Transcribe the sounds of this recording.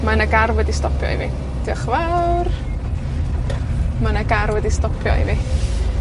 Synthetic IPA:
manaɡarwɛdistɔpʰjɔ̰ḭviː | d̥ɔχvawr | manaɡarwɛdistɔpʰjɔ̰ḭvi

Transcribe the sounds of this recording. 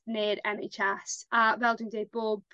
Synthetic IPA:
nɪːɾɛnet͡ʃɛsʔəvɛlˠdɪ̃ŋdeːb̥ɔːb̥

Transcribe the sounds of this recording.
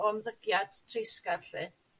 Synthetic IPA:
ɔmðəɡjad̥tʰrejskarɬɨ

